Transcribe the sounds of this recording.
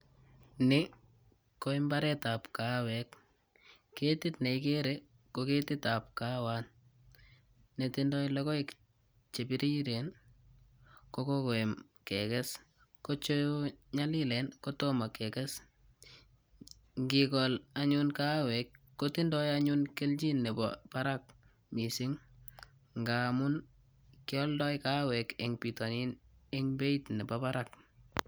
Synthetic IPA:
nɪ | koimbaɾɛtapkawɛkː | etitneikeɾe | koketitap̚kawan | netindɔjlɛkɔik | t͡ʃepiɾiɾen | kokokoem | kɛkɛs | kot͡ʃojoɲalilɛnkotomakɛkɛs | ŋɡikɔlaɲunkawɛkːotindɔjaɲunkeld͡ʒinːɛbɔ̰paɾak̚ | misiŋ | ŋɡamʊn | kɪɔldɔjkawɛkeŋpitɔninɪŋbeitnɛbapaɾak

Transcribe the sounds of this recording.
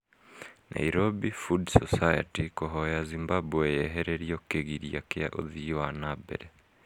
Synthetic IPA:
nʔa̰iɾobifudsɔsajatikoɦɔjazimbabuwɛjɛɦɛɾɛɾiɔkeɣiɾiakea̰ʔo̰ðiwanabɛ̰ɾɛ

